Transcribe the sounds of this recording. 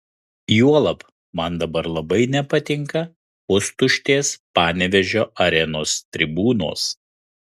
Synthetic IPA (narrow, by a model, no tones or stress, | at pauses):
juɔlˠɐp | mɐnd̪ɐbɐɾlˠɐbɐɪnʲɛpɐt̪ʲɪŋkɐ | ʊst̪ʊʃʲt̪ʲeːspɑːnʲɛʋʲɛʒʲoːʔɐɾʲɛnoːst̪ʲɾʲɪbuːno̰ːs